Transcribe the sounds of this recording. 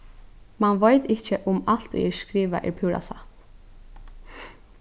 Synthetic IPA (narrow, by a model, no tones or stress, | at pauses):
manʋojt̪ɪt͡ʃəʔʊmalt̪ḭɛɹskɾiːʋa̰ʔɛ̰ɹpʰuːɹa̰sa̰ht̪